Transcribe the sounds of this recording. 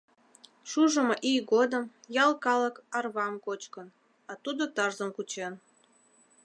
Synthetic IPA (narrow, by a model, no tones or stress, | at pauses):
ʃuʒəmoʔijɡod̪əmjɑlkɑlə̆kɑrβɑmkot͡ɕkən | ɑt̪ud̪ot̪ɑrzəmkut͡ɕen